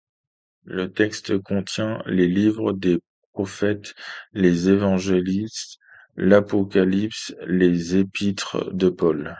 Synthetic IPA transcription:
lət̪ɛkst̪kɔ̃t̪jɛ̃lelivʁəd̪epχɔfɛt̪lezevɑ̃ʒelist̪ | lapɔkʲalipslezepit̪χd̪əpɔl

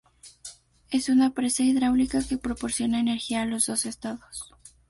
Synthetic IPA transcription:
e̞sunapɾe̞saiðɾawlikake̞pɾo̞po̞ɾsjo̞naene̞ɾxiaːlo̞zðo̞se̞st̪aðo̞s

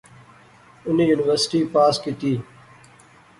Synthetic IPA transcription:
ʊniːjuːnɪʋəɾsɪ̥ʈiːpaːskit̪iː

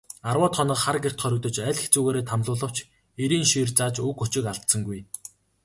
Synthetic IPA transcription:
arwɔːt̪χɔnə̆qχarɡer̥t̪χœɾɵ̆k̚t̪ɞ̆t͡ɕæɮĕxt͡suːɣeːɾeːt̪ʰamɮʊːɮə̆w̥t͡ɕ | eɾiːnʃiːrt͡saːt͡ɕɵkʊt͡ɕɪ̆kaɮt̪sə̆ŋɡuj

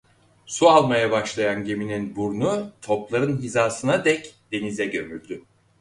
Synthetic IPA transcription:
sualˠmajabaʃlˠajanɟe̞mininbuɾnut̪ʰo̞plˠaɾɯnɦizaːsɯnad̪ɛcd̪̥e̞nizɛɟømylʲd̪y

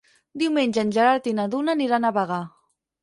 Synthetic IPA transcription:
d̪iwmenʲʒənʲʒəɾaɾt̪inaðunaniɾanaβaɣa

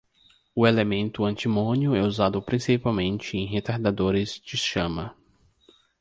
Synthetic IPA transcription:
ʊelemẽnt̪ʊɐ̃nt͡ʃimõnjʊɛuzad̪ʊpɾĩsipawmẽnt͡ʃɪẽj̃ɦet̪aɾd̪ad̪oɾɪzd͡ʒɪʃɐ̃mɐ

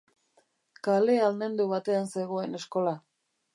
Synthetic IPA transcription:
kale̞alne̞nd̪uβat̪e̞anse̞ɣo̞e̞ne̞sko̞la

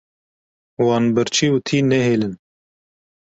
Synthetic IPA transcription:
wɑːnbɨɾt͡ʃʰiːut̪ʰiːnɛɦeːlɨn

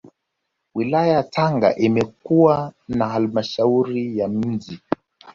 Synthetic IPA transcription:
wilajajatʰaŋɡa̰ʔimɛk̚uwanaɦalmaʃauɾijam̩ʄi

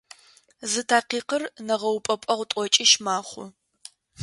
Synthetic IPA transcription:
zɨtʰaːqiːqərnɐʁɐwpʼɐpʷʼɐʁʷʊtʼɔt͡ʃʼiʃmaːχʷʊ̰

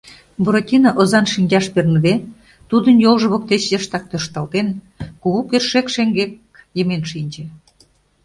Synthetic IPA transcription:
buɾotʲinɑʔozɑnʃinʲd͡ʑɑʃpernəd̪e | t̪ud̪ənjolʒəβok̚t̪et͡ɕjəʃt̪ɑk̚t̪øʃt̪ɑlt̪en | kuɣukerʃekʃeŋɡek | jəmenʃinʲd͡ʑĕ

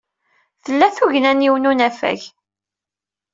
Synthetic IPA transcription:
θəlːæθuʝnæniwnunæfæ̰ʝ

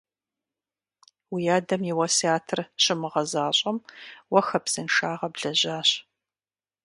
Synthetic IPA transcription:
wijaːdɐmjɪwɐsiaːtʰɨrɕɪmɨʁɐzaːɕʼɐmwɐxɐpsɨnʃaːʁɐbɮɐʑaːɕ

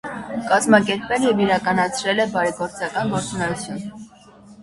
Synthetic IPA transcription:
kɑzmɑkɛɾpɛljɛviɾɑkɑnɑt͡sʰɾɛlɛbɑɾɛɡɔɾt͡sɑkɑnɡɔɾt͡sunɛjut͡sʰjun

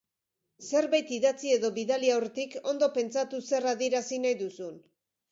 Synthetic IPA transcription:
se̞ɾβajt̪iðat͡sie̞ðo̞βiðaliawret̪iko̞nd̪o̞pe̞nt͡sat̪use̞raðieɾasinajðusun

